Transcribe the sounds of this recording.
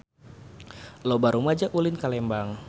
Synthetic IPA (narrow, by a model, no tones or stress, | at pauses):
lobaɾumad͡ʒaʔulɪnkalɛmbaŋ